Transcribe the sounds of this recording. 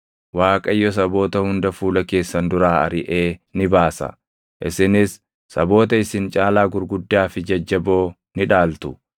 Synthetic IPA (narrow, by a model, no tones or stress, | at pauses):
waːkʼɐjːɔs̬ɐbo̞ːt̪ɐhʊnd̪ɐfuːlɐke̞ːsːɐnd̪ʊɾaːɐ̰ɾɪʔe̞ːnɪbaːsɐ̰ | ʔɪsɪnɪsː | ɐbo̞ːt̪ɐɪsɪnt͡ʃʼaːlaːɡʊɾɡʊd̪ːaːfɪd͡ʒɐd͡ʒːɐbo̞ː | nɪᶑaːlt̪ʊ̥